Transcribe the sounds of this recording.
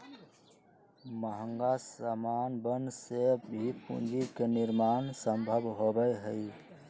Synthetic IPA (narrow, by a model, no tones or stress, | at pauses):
məɦə̃ŋɡasamaːnbənsebʱipṵ̃nd͡ʒikenɪɾmaːnsəmbʱəbʱɦobəjɦəi